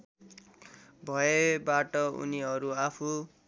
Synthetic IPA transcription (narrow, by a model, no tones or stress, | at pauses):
bʱʌebaʈʌṵniɦʌɾuapʰu